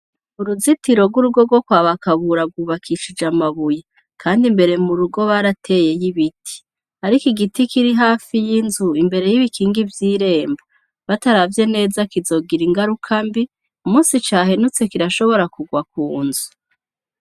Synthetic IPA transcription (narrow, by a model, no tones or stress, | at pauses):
uɾuzitiɾo̞ɡuɾuɡo̞ɡwo̞kwaːβakaβuɾaɡuːβakʰiʃid͡ʒamaβuja | kʰaːndimbe̞ɾe̞muɾuɡo̞βaɾatʰe̞ːje̞jiβitʰi̥ | aɾikiɡitikiɾiɦaːfijinzuimbe̞ɾe̞jiβikʰiːŋɡivjiːɾe̞ːmba | βataɾavje̞ne̞ːzakizo̞ɡiɾiŋɡaɾukʰambi | umuːsit͡ʃaːɦenut͡se̞kiɾaʃo̞βo̞ɾakuɡwakuːnzu̥